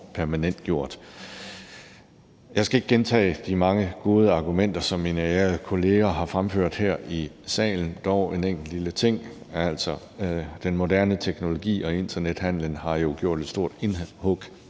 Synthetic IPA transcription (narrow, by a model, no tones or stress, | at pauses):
pʰæɐmænen̰d̥̚ɡ̥jo̝ɐ̰d̥ | jɑ̈ɪsɡ̥æe̝ɡ̥̚ɡ̥ent͡sʰɛ̰ːd̥imɑ̈ŋəɡ̥o̝ːð̞ˠəɑ̈ɡ̥umen̰d̥ɐsɒ̽mːinəæɐð̩kʰo̝le̝ːɐɦɑ̈fʁamføɐ̰d̥hæɐ̰i | sɛ̰ːln̩d̥ɒʊe̝neŋ̰ɡ̥l̩lilət͡sʰe̝ŋ̰ | æl̰sɒ̽ | d̥enmo̝dæɐnət͡sʰeɡ̥no̝lo̝ɡ̥ḭːɒ̽e̝nd̥ɐned̥hæn̰lənhɑ̈jo̝ɡ̥jo̝ɐ̰d̥e̝d̥sd̥o̝ɐ̰d̥enhɔɡ̥